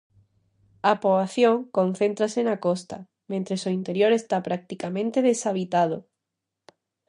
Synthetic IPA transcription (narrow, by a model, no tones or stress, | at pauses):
apoβaθjõŋkõn̟θent̪ɾasenakost̪a | mẽnt̪ɾesoint̪eɾjoɾest̪apɾak̚t̪ikamẽnt̪eð̞esaβ̞it̪að̞o